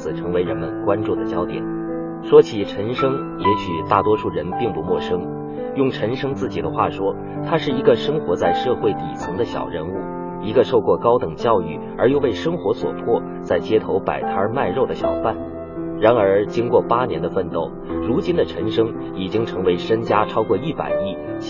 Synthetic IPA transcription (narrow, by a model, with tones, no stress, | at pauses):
ɹ̩˨˩ʈ͡ʂʰɤ˧˥ŋwe˧˥ɪɻə˧˥nmə˧nkwa˥nʈ͡ʂu˥˩d̪ə˩t͡ɕjɑ˥ʊt̪jɛ̰˨˩˦n | ʂwɔ˥t͡ɕʰi˨˩ʈ͡ʂʰə˧˥nʂɤ˥ŋ | jɛ˧˥ɕy˨˩t̪a˥˩t̪wɔ˥ʂu˥˩ɻə˧˥npi˥˧ŋpu˧˥mwɔ˥˩ʂɤ˥ŋ | jʊ˥˩ŋʈ͡ʂʰə˧˥nʂɤ˥ŋt͡sɹ̩˥˩t͡ɕi˨˩d̪ə˦xwa̰˥˩ʂwɔ˥ | t̪ʰa˥ʂɻ̩˥˩i˧˥ɡə˧ʂɤ˥ŋxwɔ˧˥t͡sa˥˧ɪʂɤ˥˧xwe˥˩ɪt̪ḭ˨˩t͡sʰɤ˧˥ŋd̪ə˧ɕjɑ̰˨˩ʊɻə˧˥nu˥˩ | i˧˥ɡə˧ʂo˥˧ʊkwɔ˥˩kɑ˥ʊt̪ɤ˨˩ŋt͡ɕjɑ˥˧ʊy˥˩ | ə˞˧˥jo˥˧ʊwe˥˩ɪʂɤ˥ŋxwɔ˧˥swɔ̰˨˩pʰwɔ˥˩ | t͡sa˥˩ɪt͡ɕjɛ˥t̪ʰo˧˥ʊpa̰˨˩ɪt̪ʰa˞˧˥ma˥˧ɪɻo˥˩ʊd̪ə˩ɕjɑ̰˨˩ʊfa˥˩n | ɻa˧˥nə˞˧˥t͡ɕi˥ŋkwɔ˥˩pa˥njɛ˧˥nd̪ə˧fə˥˧nt̪o˥˩ʊɻu˧˥t͡ɕi˥nd̪ə˨ʈ͡ʂʰə˧˥nʂɤ˥ŋ | i˨˩t͡ɕi˥ŋʈ͡ʂʰɤ˧˥ŋwe˧˥ɪʂə˥ŋt͡ɕja˥ʈ͡ʂʰɑ˥ʊkwɔ˥˧i˥˩pa̰˨˩ɪi˥˩